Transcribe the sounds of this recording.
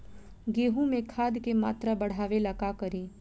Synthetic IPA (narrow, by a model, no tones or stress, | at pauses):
ɡeːɦũmẽkʰaːd̪kemaːt̪ɾabɐɽ̤aːʋelakakəɾiː